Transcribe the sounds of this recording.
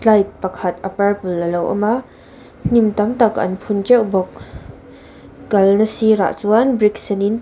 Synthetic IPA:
slɐjt̚pɐkʰɐt̪̚ʔɐpɐrpulːɐlowʔɐ̰ma | n̥imt̪ɐmt̪akʔɐ̰npʰunt͡ʃɛwbɔk̚ | kɐlnɐsiɾa̰ʔt͡suanbɾik̚sɛnin

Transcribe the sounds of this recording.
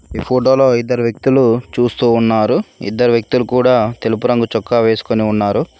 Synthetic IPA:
iːpʰoːʈo̞ːlo̞ːid̪ːɐɾuʋjek̚t̪ulut͡ʃuːst̪uːnːaːɾuḭd̪ːɐɾuʋjɐk̚t̪ulukuːɽaːt̪e̞lupuɾɐŋɡut͡ʃɔkːaːʋe̞ːsu̥koniunːaːɾu

